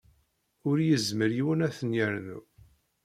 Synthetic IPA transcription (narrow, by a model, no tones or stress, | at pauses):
ʊɾjəzməɾiwənæθənjəɾnṵ